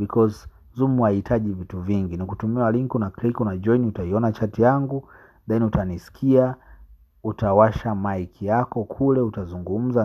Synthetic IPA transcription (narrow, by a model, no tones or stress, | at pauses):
bikʰɔz | zumuahitʰaʄivituviŋɡinikutumialiŋkunaklikunad͡ʒɔiniutaiɔnat͡ʃatijaŋɡu | ɗainiutanisi̥kʰia | utawaʃamaikʰijakɔkʰulɛutazuŋɡum̩za